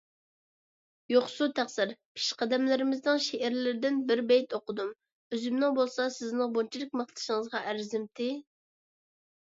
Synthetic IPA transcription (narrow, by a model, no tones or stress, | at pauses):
joχsut̪ʰæχsɨɾpʰi̥ʃqʰɑd̪ɛmlɪɾɪmɪznɨŋʃeʔæɾlɪɾɪd̪ɪnbɪɾbɛjt̪oqəd̪um | øzɪmnɪŋbolˠsɑsɪznɨŋbont͡ʃʰilˠɪk̚ʲmɨχt̪ˠɨ̥ʃəŋəzʁɑʔæɾzɪmt̪ʰɪ